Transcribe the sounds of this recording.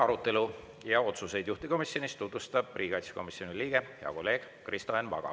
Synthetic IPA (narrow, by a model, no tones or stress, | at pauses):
ɑɾut̪ːˑe̞lu | jɑo̞t̪suse̞jd̪juht̪iko̞misjo̞nist̪ut̪vust̪ɑb̥̚riːɡ̥ɑjt̪si̥ko̞misjo̞niliːɡ̥e̞jɑ̰ko̞lːe̞ːɡ̥ | krist̪oenvɑ̰ɡ̥ɑ̰